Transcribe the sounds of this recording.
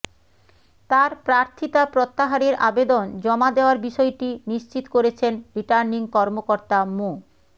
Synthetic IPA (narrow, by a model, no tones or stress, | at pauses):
t̪aɾpɾaɾt̪ʰit̪apɾot̪ːaɦaɾeɾabed̪ond͡ʑɔmad̪eoaɾbiʃɔeʈiniʃt͡ɕit̪koɾet͡ɕʰenɾiʈaɾniŋkɔɾmokoɾt̪amo